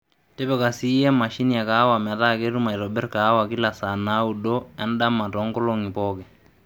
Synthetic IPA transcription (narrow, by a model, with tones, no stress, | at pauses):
tɛ˦bɛ˨ka˨si˦ja˦ma˨ʃi˦ni˦ja˨ka˨˦wa˨m˨a˨ta˦ke˦ɾu˦ma˨i˨ɾɔ˨bɛ˦rka˨˦wa˨ki˦la˨sa˨na˦u˨dɔ˦ja˦nda˦mːa˨tɔ˨˦ŋɡɔ˦lɔ˦ŋi˨pɔkɛ˨